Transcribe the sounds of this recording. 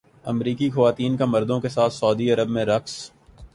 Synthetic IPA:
ɐ̰mɾiːkixɐʋaːt̪iːnkemɐɾd̪õkesaːt̪ʰsɔːd̪iɐɾəbmẽɾɐks

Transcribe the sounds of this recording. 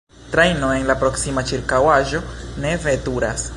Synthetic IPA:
tɾejno̞e̞nlapɾo̞ksimat͡ʃiɾkawaʒo̞ne̞ve̞tuɾas

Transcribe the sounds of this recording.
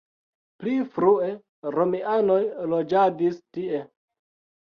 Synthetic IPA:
plifɾue̞ | ɾomiʔano̞jlod͡ʒadistie

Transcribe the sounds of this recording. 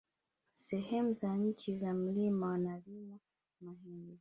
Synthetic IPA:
sɛɦɛmuzaɲ̩t͡ʃizam̩limawnalima | maɦindi

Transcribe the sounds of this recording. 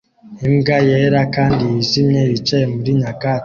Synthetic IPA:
emɡajeɾakaːndiizimɲeβit͡ʃejemuɾiɲaka

